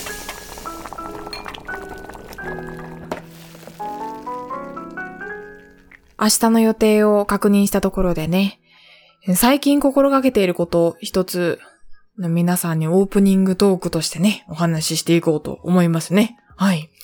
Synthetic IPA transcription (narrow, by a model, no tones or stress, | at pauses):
aɕi̥t̪ano̞jo̞t̪e̞ːo̞kakɯ̟ɲ̟ĩɰ̃ɕi̥t̪at̪o̞ko̞ɾo̞d̪e̞ne̞ | saikʲĩŋko̞ko̞ɾo̞ɡake̞t̪e̞iɾɯ̟ko̞t̪o̞çi̥t̪o̞t͡sɨ | no̞mʲinasãɲ̟ːio̞ːpɯ̟ɲ̟ĩŋɡɯ̟t̪o̞ːkɯ̟̥t̪o̞ɕi̥t̪e̞ne̞o̞ɦanaɕiɕi̥t̪e̞iko̞ːt̪o̞̰o̰mo̞imasɨne̞ | hai